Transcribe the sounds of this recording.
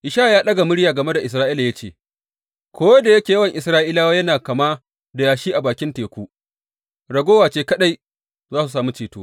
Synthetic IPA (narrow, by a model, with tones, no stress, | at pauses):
ʔɪ˨ʃaː˦˨jaː˦ɗɐ˦ɡa˨mʊ˦ɽjaː˨ɡɐ˨me˦da˨ʔɪ˨s̬ɾaː˦ʔiː˦la˨jɐ˦t͡ʃeː˨ | kʷʰoː˦da˨jɐ˦kʲeː˨jɐ˦wɐ˨ŋʔɪ˨sɾaː˦ʔiː˦laː˦waː˦jɐ˦naː˨kɐ˨maː˦ | da˨jaː˨ʃiː˦ʔa˨baː˨kʲɪ˦nteː˨kʷuː˦ | ɽɐ˨ɡʷoː˦waː˨t͡ʃeː˦kɐ˦ɗa˦j | zaː˦su˨saː˨mu˦t͡ʃeː˨tuː˦